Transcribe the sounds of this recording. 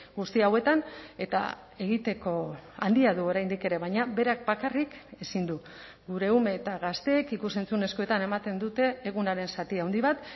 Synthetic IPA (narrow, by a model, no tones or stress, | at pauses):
ɡust̪iawe̞t̪ane̞t̪a̰ | e̞ɣ̞it̪e̞ko̞a̰nd̪iaðuo̞ɾajnd̪ike̞ɾe̞βajɲabe̞ɾak̚bakarike̞sind̪u | ɡuɾe̞ume̞t̪aɣast̪e̞ːkikuse̞nt͡sune̞skoe̞t̪ane̞mat̪e̞nd̪ut̪e̞ːɣunaɾe̞nsat̪iawnd̪iβat̪